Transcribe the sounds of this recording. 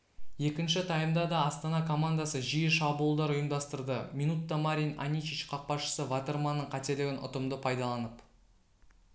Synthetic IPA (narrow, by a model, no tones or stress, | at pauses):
je̞kʲɪnʃɪt̪ʰɑjəmd̪ɑd̪ɑɑst̪ɑnɑkʰo̞mand̪ɑsəʒijəʃɑbuːəlˠd̪ɑɾʊjəmd̪ɑst̪əɾd̪əminut̪ːɑmaɾʲijnɑ̰nʲit͡ʃit͡ʃqʰɑq̚pɑʃə̥səvat̪eɾmɑnːəɴqʰɑt̪e̞lɪɡʲɪnʊ̰t̪əmd̪əpʰɑjd̪ɑlˠɑnəp